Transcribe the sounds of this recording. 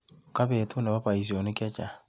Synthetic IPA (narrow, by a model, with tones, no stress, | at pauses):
oka˦βetu˦na˨βa˦βa˨is̬io˨ni˦kja˦t͡ʃa˨